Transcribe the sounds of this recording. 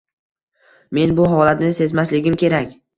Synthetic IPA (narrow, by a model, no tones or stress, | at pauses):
me̞nbʊɦɒlat̪nɪse̞zmaslɪɡʲɪmkʲʰe̞ɾakʲ